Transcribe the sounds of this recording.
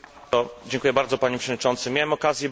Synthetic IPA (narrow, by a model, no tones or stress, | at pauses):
t̪ɔd͡ʑɛ̃ŋkujɛbaɾd̪zɔpaɲɛpʂɛvɔɲit͡ʂɔnt̪sɘmʲjawɛmɔkazʲjɛ